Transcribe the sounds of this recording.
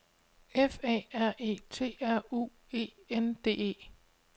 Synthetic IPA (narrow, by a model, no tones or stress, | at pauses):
efɛ̰ːæɐ̰ʔe̝̰ːt͡sʰe̝̰ːæɐ̰ṵː | e̝̰ːend̥e̝̰ːe̝̰ː